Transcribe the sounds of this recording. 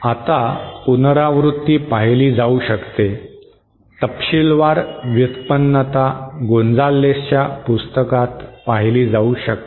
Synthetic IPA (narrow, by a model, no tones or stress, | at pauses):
at̪apunɾaʋɾut̪ːiːpaɦjliːd͡zauɕəkt̪e | t̪əpɕilʋaɾʋjut̪pənːət̪aɡond͡zalːest͡ɕjapust̪əkat̪paɦliːd͡zauɕək̚t̪